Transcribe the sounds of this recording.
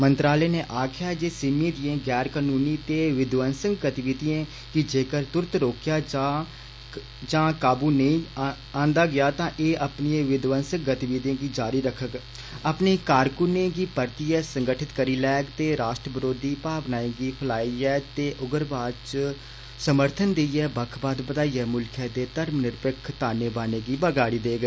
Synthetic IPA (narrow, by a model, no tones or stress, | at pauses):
mənt̪ɾaːleːneːʔaːkʰɪjaːd͡ʒeːsɪmẽːd̪iẽːɡɛːɾkaːnuːniːt̪eːʋɪd̪ʋənsəŋɡɡət̪ɪʋiːd̪iẽː | kɪd͡ʒeːkəɾt̪ʊɾt̪ɾoːkjaːd͡ʒa | d͡ʒãːkaːbuːnəĩː | ãːnd̪aːɡɪjaːt̪ãːʔeːʔəpniẽːʋɪd̪ʋənsək̚ɡət̪ɪʋiːd̪ẽːɡiːd͡ʒaːɾiːɾəkʰːək | əpneːkaːɾkʊnẽːɡiːpəɾt̪iːɛːsəŋɡəʈʰɪt̪kəɾiːlɛːkt̪eːɾaːʃʈɾəʋəɾoːd̪iːpaːʋnaːẽːɡiːpʰəlaːiɛːt̪eːʔʊɡəɾbaːd̪t͡ʃ | səməɾt̪ʰənd̪eiːɛːbəkʰbaːd̪bəd̪aːiːɛːmʊlkʰɛːd̪eːt̪əɾmnɪɾpəkʰt̪aːneːbaːneːɡiːbəɡaːɽiːd̪eːɡeː